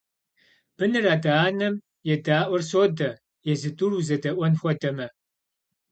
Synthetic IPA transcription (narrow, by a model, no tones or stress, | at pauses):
b̥ɨnɨraːdaːnɐm | jɛdaːʔʷɔrsoːdɐ | jɛzɨtʼuruzɐdɐʔʷɔnxʷɔdɐmɐ